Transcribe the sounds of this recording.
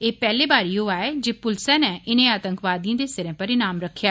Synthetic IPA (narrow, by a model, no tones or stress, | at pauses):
eːpɛːleːbaːɾiːɦoːaːeːd͡ʒeːpʊlsɛ̃ːnɛːʔɪnẽːaːt̪ə̃ŋkʋaːd̪ijãːd̪eːsɪɾẽːpəɾɪnaːmɾəkʰːjaː